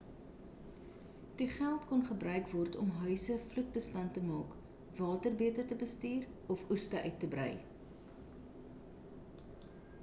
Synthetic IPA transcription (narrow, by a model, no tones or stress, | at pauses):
d̥iχælˠtkɔnχəbrœɥkvɔrtɔ̰mɦœɥsəflut̚bəstɐntəmɑːk | vɑːtərbiətərtəbəstiːrɔfustəʔœɥtːəbrœ̰j